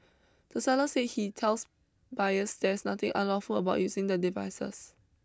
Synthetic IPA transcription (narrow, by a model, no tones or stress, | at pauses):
d̥əsɛləset̚hitʰɛls | bajəsdɛɪsnat̪ɪ̃ŋʔã̰nlɔfuləbaʊʔ̚jusɪ̃ŋdədivaɪsə̰s